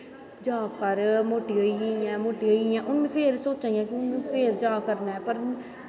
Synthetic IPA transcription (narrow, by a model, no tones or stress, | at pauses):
d͡ʒaːkəɾmoːʈiɦoiiɛ̃ːmoːʈiɦoiɛ̃ːʔʊnmẽpʰeːɾsoːt͡ʃãːĩãːkiʊnmẽpʰeːɾd͡ʒaːkəɾnaɦɛpəɾ